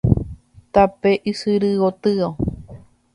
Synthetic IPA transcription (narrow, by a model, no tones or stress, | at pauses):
t̪apeʔisɨɾɨot̪ɨo